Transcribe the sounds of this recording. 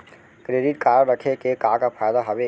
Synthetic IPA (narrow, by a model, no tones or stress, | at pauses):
kɾeːɖiʈkaːɾəɾəkʰekekakafʰaːjd̪aɦɐʋe